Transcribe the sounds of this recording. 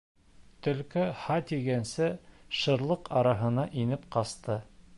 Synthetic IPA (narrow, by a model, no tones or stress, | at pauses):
t̪ɵ̆lkɘhɑt̪ʲiɡænsɘʃɤ̆ɾlˠɤqɑɾɑɦɤ̆nɑʔinɘp̚qɑst̪ɤ